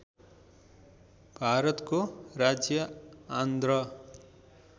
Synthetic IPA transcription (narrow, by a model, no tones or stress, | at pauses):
bʱaɾʌt̪korad͡zjʌand̪rʌ